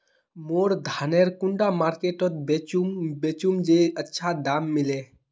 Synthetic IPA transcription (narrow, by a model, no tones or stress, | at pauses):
moːɾd̪ʱaneɾkuɳɖamaɾkeʈət̪̚beubet͡ʃumd͡ʒeətːʃʰad̪amːile